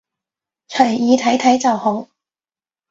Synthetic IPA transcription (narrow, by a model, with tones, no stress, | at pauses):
t͡ʃʰœ˨˩˨iː˨˧t̪ʰɐ˨˥jt̪ʰɐ˨˥jt͡sɐ˨whʊ˨˥ŋ